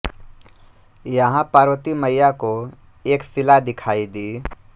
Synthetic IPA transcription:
jɐɦãpaːɾwət̪iməjako | eːksɪlad̪ɪkʰaːid̪iː

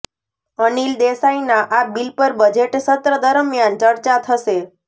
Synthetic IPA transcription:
ənild̪esainaʔabilpəɾbəd͡ʒeʈsət̪ɾəd̪əɾmjant͡ʃəɾt͡ʃat̪ʰəʃe

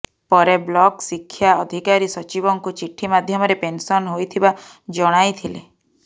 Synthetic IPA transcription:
pɔɾeblɔksikʰːjaɔd̪ʱikaɾisɔt͡ʃibɔŋkut͡ʃiʈʰːimad̪ʱjɔmɔɾepensɔnɦojt̪ʰiba | d͡ʒɔɽ̃ajt̪ʰile

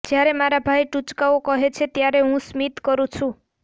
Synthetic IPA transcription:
d͡ʒjaɾemaɾabʱajʈut͡ʃkaokɔɦet͡ʃʰet̪jaɾeɦũsmit̪kɔɾũt͡ʃʰũ

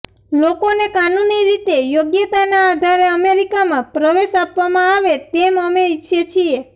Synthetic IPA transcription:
lokonekanuniɾit̪ejoɡjət̪anaːd̪ʱaɾeəmeɾikamãpɾəʋeʃapʋamãaʋet̪eməmeitːʃʰet͡ʃʰie

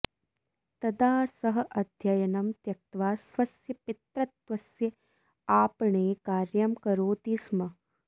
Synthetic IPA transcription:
t̪ɐd̪aːsɐɦɐ̆ʔɐd̪ʱjɐjɐnɐmt̪jɐk̚t̪ʋaːsʋɐsjɐpit̪ɾɐt̪ʋɐsjɐ | aːpɐɳeːkaːɾjɐmkɐɾoːt̪iːsmɐ

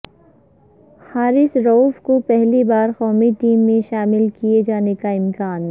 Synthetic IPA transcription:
haːɾɪsɾoːfkopɛɦlibaːɾxɔːmiʈiːmːẽʃaːmɪlkijed͡ʒaːnekaɪmkaːn

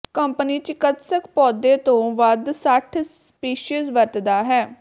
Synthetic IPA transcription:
kəmpəniːt͡ʃɪkət̪səkpɔːd̪eːt̪õːʋəd̪səʈʰspiːʃizʋəɾt̪d̪aːɦɛː

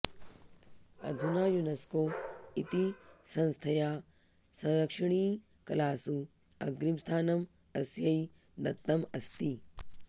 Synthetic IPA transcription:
ɐ̰d̪ʱunaːjunɐskoːit̪isɐ̃nst̪ʰɐjaː | sɐ̃ŋɾɐkʂɐɳ̃iː | kɐlaːsu | ɐ̰ɡɾimst̪ʰaːnɐm | ɐsjɐi | d̪ɐt̪ːɐmɐst̪i

